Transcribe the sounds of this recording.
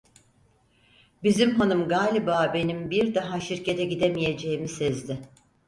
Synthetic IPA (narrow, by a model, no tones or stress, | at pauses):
bizimɦanɯmɡaːlʲibaːbe̞nimbiɾd̪aɦaʃiɾcʰe̞t̪ʰɛɟid̪emije̞d͡ʒe̞imisɛzd̪ɪ